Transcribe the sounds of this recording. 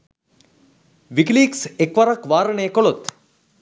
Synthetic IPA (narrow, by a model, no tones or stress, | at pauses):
ʋikliːksekʋaɾakʋaːɾəɳejkolot̪